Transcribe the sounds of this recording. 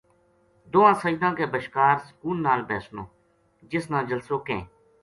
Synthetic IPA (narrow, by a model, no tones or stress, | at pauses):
d̪oːãːsəiːd̪ãːkeːbəʃkaːɾsə̥kuːnːaːlbɛːsnõː | d͡ʒɪsnãːd͡ʒəlsoːkẽː